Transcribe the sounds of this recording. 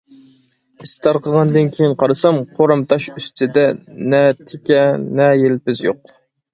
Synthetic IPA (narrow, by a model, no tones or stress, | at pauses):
ist̪ʰɑɾqʰəʁɑnd̪ɨnkʲʰejinqʰɑɾɨsɑmqʰoɾɑmt̪ʰɑʃyst̪ʰɪd̪ɛnɛt̪ʰɪkʲɛnɛjelpɪzjoq